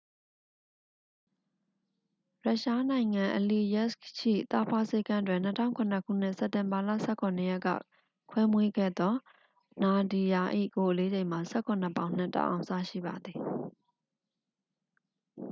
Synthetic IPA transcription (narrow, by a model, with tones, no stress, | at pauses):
ɹa˦˨ʔʃa˦nã˨ɪ̃ŋã˨ʔəli˨jɛ˦skʃḭ˦˨t̪a˦˨pʰa˦se˦kã˦dwɪ̃˨n̥ətʰã˦˨ʊ̃ŋkʰʊ̃˨nə˦˨kʰṵ˦˨n̥ɪ˦ʔsɛ˨tɪ̃˨mba˨la̰˦˨sɛ˦˨kʰɔ̃˨nə˨jɛ˦kːa̰˦˨ | kʰwɛ˦mwe˦ɡɛ̰˦˨d̪ɔ˦ | na˨di˨ja˨ʔḭ˦˨ko˨ʔəle˦d͡ʑẽ˨ɪ̃m̥a˨sɛ˦˨kʰɔ̃˨n̥ə˨pã˨ʊ̃n̥ɪ̰̃˦˨tã̰˦˨ʔã̰˨ʊ̃sa̰˦˨ʃḭ˦˨ba˨d̪ði˨